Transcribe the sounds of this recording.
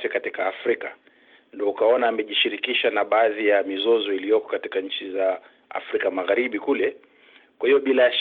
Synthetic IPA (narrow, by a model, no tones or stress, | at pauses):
fɛkatikaːfɾika | ndɔukaɔnaːmɛʄiʃiɾikiʃanaɓaːðijamizɔzɔilijɔkɔ̥katikaɲ̩t͡ʃiza | a̰fɾikamaɣaɾiɓikulɛ | kwahiɔɓilaʃ